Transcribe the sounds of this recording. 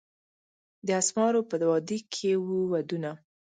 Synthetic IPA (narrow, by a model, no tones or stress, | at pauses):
d̪əasmɑɾopəd̪wɑd̪ikʰewuwad̪una